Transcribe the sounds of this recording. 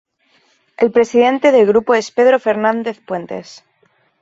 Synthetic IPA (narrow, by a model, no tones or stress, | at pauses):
e̞lpɾe̞siðe̞nt̪e̞ðe̞lɣ̞ɾupoe̞spe̞ðɾo̞fe̞ɾnãnd̪eθpwe̞nt̪e̞̰s